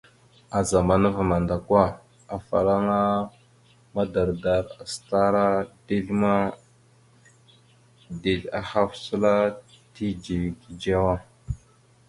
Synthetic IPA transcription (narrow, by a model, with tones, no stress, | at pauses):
a˨za˨ma˨nə˦va˨ma˨nda˨kwa˦ | a˨fa̰˨ɾa˦ŋa˦ | ma˦da˨ɾda˨ɾa˨sta˦ɾa˦d̥e˦lma˦ | de˨ɮa˨ha˦fsə˦la˦ | ti˦d͡ʒi˨ɡi˨d͡ʒa˦wa˦